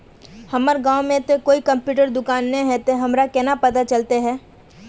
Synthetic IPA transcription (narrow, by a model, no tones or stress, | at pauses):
hɐməɾɡãːwmẽt̪okoːikɐ̃mpjuːʈəɾd̪ʊkaːnːẽɦɛt̪eɦɐmɾakɛːnapɐt̪at͡ʃɐlt̪eɦɛː